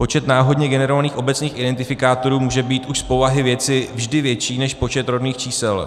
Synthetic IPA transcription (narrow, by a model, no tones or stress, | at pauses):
po̞t͡ʃɛt̪naːɦo̞dɲɛɡɛnɛɾo̞vaniːxo̞bɛt͡sɲiːxɪdɛnt̪ɪfɪkaːt̪o̞ɾuːmuːʒɛbiːt̪ʔuʃspo̞vaɦɪvjɛt͡sɪvʒdɪvjɛt͡ʃiːnɛʃpo̞t͡ʃɛt̪ɾo̞dniːxt͡ʃiːsɛl